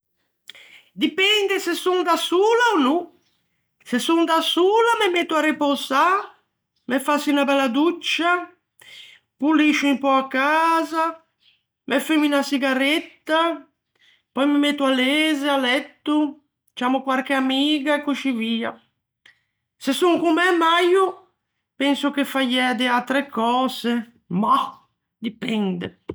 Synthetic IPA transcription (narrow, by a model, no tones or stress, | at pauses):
d̪ipɛnd̪esesund̪asuːlaonu | sesːund̪asuːlamemet̪ːuarepoza | mefːasinabɛlːad̪ut͡ʃːa | pulːiʃuimpɔakːaːza | mʔɛfːeminasiɡaɾet̪ːa | pɔjmemet̪ːualeːzealːɛt̪ːu | t͡ʃamʊkwaɾk̟eamiːɡaekːut͡ʃːiviːa | sesːuŋkumɛmajʊ | pɛnsʊkefːajɛːd̪ealt̪ɾekːɔːze | ma | d̪ipɛnd̪ḛ